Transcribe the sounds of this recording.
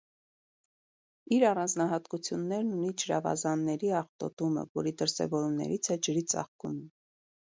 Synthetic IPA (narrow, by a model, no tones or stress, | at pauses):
iɾɑrɑnd͡znɑɦɑt̪kut͡sʰjunːɛɾnunit͡ʃəɾɑ̰vɑ̰zɑnːɛɾiɑχt̪ɔ̰t̪umə̰vɔ̰ɾid̪əɾsɛ̰vɔɾumnɛ̰ɾit͡sʰɛd͡ʒəɾit͡sɑ̰χkum